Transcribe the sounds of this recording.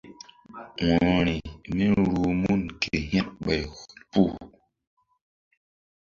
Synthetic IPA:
wɔ˨ɾi˨mi˦ɾu˨mu˦˨nkʰe˨ɦɛ˦t̚ɓa˨ɣu˨lpu˦˨

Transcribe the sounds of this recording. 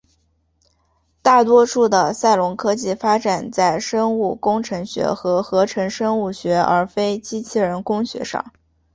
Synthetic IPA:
t̪a˥˩t̪wɔ˥ʂu˥˩d̪ə˩sa˥˩ɪlʊ˧˥ŋkʰɤ˥t͡ɕi˥˩fa˥ʈ͡ʂa˨˩nt͡sa˥˩ɪʂə˥ŋu˥˩kʊ˥ŋʈ͡ʂʰɤ˧˥ŋɕɥɛ̰˧˥xɤ˧˥xɤ˧˥ʈ͡ʂʰɤ˧˥ŋʂɤ˥ŋu˥˩ɕɥɛ˧˥ə̰˞˧˥fe˥ɪt͡ɕi˥t͡ɕʰi˥˩ɻə˧˥nkʊ˥ŋɕɥɛ̰˧˥ʂɑ̰˥˩ŋ

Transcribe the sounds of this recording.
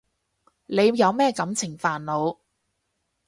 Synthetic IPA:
nle˨˧jjɐ˨˧wmɛː˥kɐ˨˥mt͡sʰɪ˨˩ŋfaː˨˩nlo˨˧w

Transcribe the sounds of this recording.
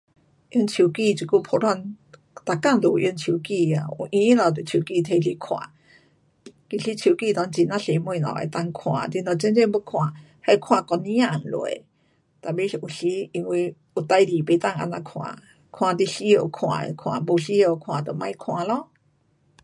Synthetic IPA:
ʔji˧˦nt͡ɕʰu˨˩ki˧˨t͡ɕi˨˩ku˥˧˨pʰo˧˦lwa˧˥˨n | t̪a˨˩ka˥˧˨ŋd̪o˨ʔji˧˦nt͡ɕʰu˨ki˧a˨ṵ˨ʔĩ˧i˦lã˨˩˨t̪o˨t͡ɕʰu˨˩ki˧t̪ʰe˧li˧˦kʰw̃ã̰˨ | ki˧˨ɕi˧˦t͡ɕʰu˨˩ki˥˧˨t̪wa˧˦nt͡ɕi˧˩nã˦ɬe˨mwũ˧˨na̰˨ḛ˨˩t̪a˧˨ŋkʰw̃ã̰˨d̪i˧na˨˩t͡ɕe˧˦nt͡ɕe˥˧ŋbo˧˦kʰw̃ã˨˩ | ha˧˦kʰw̃ã˨˧˩kɔ˧nĩ˦ã˧˨ŋ˨lo̰˧˨ḛ˨ | t̪a˨˩be˧˦˧u˨ɕi˧˦i˧ŋwi˧ | u˨t̪a˧jli˨be˧˦t̪a˥˨ŋa̰˧nã˧kʰw̃ã̰˨˩ | kʰw̃ã˨t̪i˧ɕi˧˦je˧˨kʰw̃ã̰˨ḛ˨kʰw̃ã̰˨˩bo˧˩ɬi˧˦je˧˩o˨kʰw̃ã˨t̪o˨˩mã˧i˦kʰw̃ã˨lɔ˧˦

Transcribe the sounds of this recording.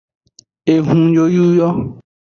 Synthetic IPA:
e˨ɦũ˨d͡ʒo˦ju˦jɔ˦

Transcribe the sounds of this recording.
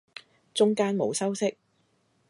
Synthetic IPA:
t͡ʃʊ˥ŋkaː˥nmo̰˨˧wsɐ˥wsɪ˥k̚

